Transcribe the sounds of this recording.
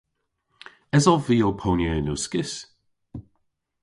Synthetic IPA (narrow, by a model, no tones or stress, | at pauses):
ɛzɔviːopʰonjənuskɪs